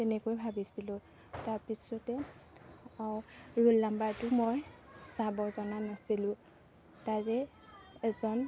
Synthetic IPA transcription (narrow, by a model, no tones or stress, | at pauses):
tɛnɛkojbʱabisilʊ̃ | taɹpisɔtɛ | awɹulːambaɹtʊmoj | sabɔzɔnanasilʊ̃ | taɹɛ | ɛzɔn